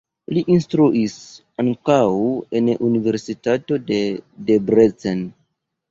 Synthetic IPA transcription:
liʔinstɾuʔis | aŋkawenʔunive̞ɾsitato̞dedebɾet͡sen

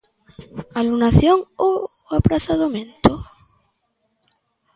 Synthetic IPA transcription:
alunaθjoŋo | apɾaθaðomẽnt̪o

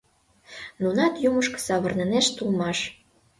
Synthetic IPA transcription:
nunɑt̪juməʃkɤ̥sɑβɤ̆rneneʃt̪ulmɑʃ

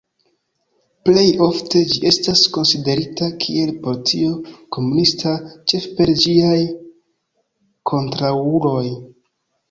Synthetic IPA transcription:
ple̞jo̞fte̞d͡ʒiʔe̞stasko̞nside̞ɾitakʰie̞lpo̞litio̞ko̞munistat͡ʃe̞fpe̞ɾd͡ʒiaj | kʰo̞ntɾaulo̞j

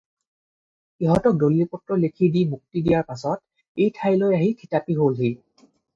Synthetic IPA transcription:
xiɦɔtɔk̚dolːipɔtːɹɔlekʰidimuk̚tidijaɹpasɔt̚ | ejtʰajlojaɦikʰitapiɦolɦi

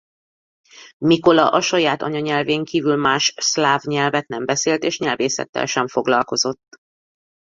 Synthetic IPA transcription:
miko̞lɒʔɒʃɒjaːt̪ɒ̰ɲɒɲɛlveːŋkiːvylmaːʃslaːvɲɛlvɛt̪nɛmbɛseːlt̪eːʃɲɛlveːsɛ̰t̪ːɛ̰lʃɛɱfo̞ɡlɒlko̞zo̞t̪ː

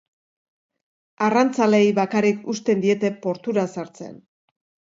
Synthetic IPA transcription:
arant͡sale̞jβakarikust̪e̞nd̪ie̞t̪e̞po̞ɾt̪uɾasaɾt͡se̞̰n

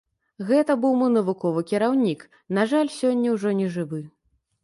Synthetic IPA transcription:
ɣɛt̪ɐbɨwmɨnɐvukɔvɨkʲiɾawnʲik | naʐalʲsʲɔnʲːɐwʐɔnʲɛʐɨvɨ

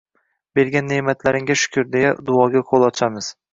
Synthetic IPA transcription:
be̞ɾɡʲanːemat̪ʰlaɾɪŋʲaʃʊ̥kʰʲʊɾd̪ejad̪ʊɒɡʲaqʰolˠɒt͡ʃʰamɪz̥

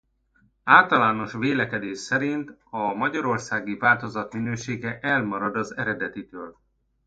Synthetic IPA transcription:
aːlt̪ɒlaːno̞ʃʋeːlɛkɛd̪eːʃsɛɾint̪ɒmɒɟɒɾo̞rsaːɡivaːlt̪o̞zɒt̪minøːʃeːɡɛʔɛlmɒɾɒd̪ɒzɛɾɛd̪ɛt̪it̪øːl

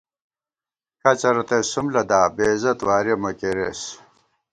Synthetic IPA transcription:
kɐt͡ɕɐɾot̪esumlɐd̪aːbeːzɐt̪waːɾemɐkeɾeːs

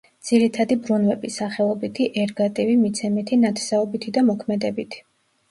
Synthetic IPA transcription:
d̪z̥iɾit̪ʰad̪ibɾunvɛbisaχɛlˠɔbit̪ʰiʔɛɾɡat̪ʼivimit̪sʰɛmit̪ʰinat̪ʰsɛɔbit̪ʰid̪amɔkʰmɛd̪ɛbit̪ʰi̥

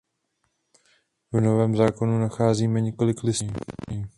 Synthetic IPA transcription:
vno̞vɛːmzaːko̞nunaxaːziːmɛɲɛko̞lɪklɪsː

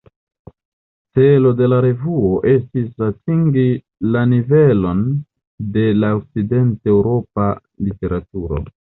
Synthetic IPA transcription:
t͡se̞lo̞de̞laɾe̞vuo̞ʔe̞stisatʰiŋɡi | lanive̞lo̞n | de̞laok̚t͡side̞ntewɾo̞p̚a | lite̞ɾatuɾo̞̰

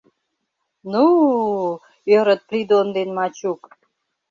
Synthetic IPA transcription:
nu | øɾə̆t̪̚pɾid̪ond̪enmɑt͡ɕuk

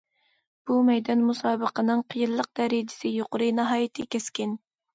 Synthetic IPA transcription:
b̥umɛjd̪ɑnmusɑːbəqʰənɨŋqʰəjɨlˠːəq̚d̪̥ɛɾɪd͡ʒɪ̥sɪjoqʊɾɨnɨɦɑːjit̪ʰɨkʲɛskʲɪn

